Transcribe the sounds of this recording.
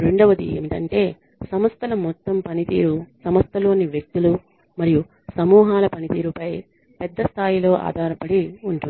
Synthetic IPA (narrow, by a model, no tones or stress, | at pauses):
ɾeɳɖɐʋɐd̪ḭḛːmit̪ɐ̰ɳʈe̞ː | sɐmɐst̪ʰɐlɐmɔt̪ːɐmpɐnit̪ḭːɾusɐmɐst̪ʰɐlo̞ːniʋjɐk̚t̪ulu | mɐɾiju | sɐmuːɦaːlɐpɐnit̪iːɾupɐj | pɛd̪ːɐst̪ʰaːjilo̞ːʔa̰ːd̪ʱaːɾɐpɐɽiuɳʈund̪i